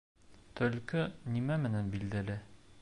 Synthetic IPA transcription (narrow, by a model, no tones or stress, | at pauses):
t̪ɵ̆lkɵnimæmɘ̆nænbild̪ælɘ